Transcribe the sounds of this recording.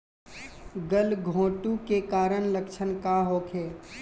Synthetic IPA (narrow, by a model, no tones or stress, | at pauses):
ɡəlɡʱõːʈukekaːɾəɳlɐkʃʰənkaɦoːkʰeː